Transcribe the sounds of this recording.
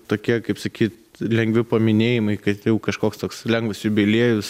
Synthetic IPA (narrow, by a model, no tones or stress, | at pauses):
t̪oːkʲiɛkɐɪpsɐkʲiːt̪lʲɛŋɡʋʲɪpɐmʲɪnʲeːjɪmɐɪkɐt̪jɛʊkɐʃkoːkst̪oːkslʲɛŋɡʋɐsʲjʊbʲelʲiɛjʊs